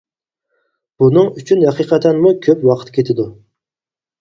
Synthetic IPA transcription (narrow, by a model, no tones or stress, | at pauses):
b̥unɨŋyt͡ʃʰynhɛqʰiqʰɛt̪ʰɛnmukʲʰøpwɑqʰə̥t̪kʲʰet̪ʰɪd̪u